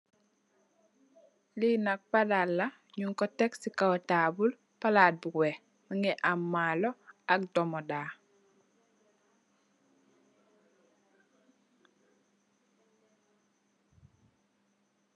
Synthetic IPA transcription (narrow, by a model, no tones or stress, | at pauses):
linak̚padalːa | ɲuŋkɔtɛksikaɔtabul | palad̚buwɛ | maŋɛʔamːalɔak̚dɔmɔda